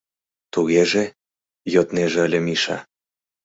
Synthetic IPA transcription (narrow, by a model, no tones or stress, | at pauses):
t̪uɣeʒe | jot̪neʒeəlʲemiʃɑ̰